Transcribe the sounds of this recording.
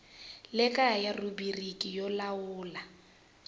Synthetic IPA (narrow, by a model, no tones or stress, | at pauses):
lɪkʼajarubirikʼijɔlaʊːla